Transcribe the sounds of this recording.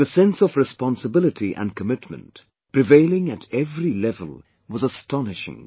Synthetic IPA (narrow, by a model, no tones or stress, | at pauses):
ðɨsɛ̃nsʌvɹɨspɑ̃nsəbɪlˠɨtʰiʔɨ̰̃nkʰəmɪtmə̰̃nt | pɹ̥ɨveɪlˠɪ̃ŋɨɾɛvɹilɛvə̰l̩ˠ | wʌzəstɑnɨʃɪ̰̃ŋ